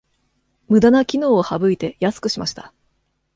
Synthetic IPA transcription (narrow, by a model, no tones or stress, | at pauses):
mɯ̟d̪anakʲino̞ːohabɯ̟it̪e̞jasɨ̥kɯ̟ɕimaɕi̥t̪ḁ